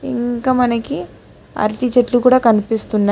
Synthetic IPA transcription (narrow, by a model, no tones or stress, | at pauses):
ḭŋkaːmɐnɐki | a̰ːɾʈiːt͡ʃeʈlukuːɽaːkɐnipist̪unːa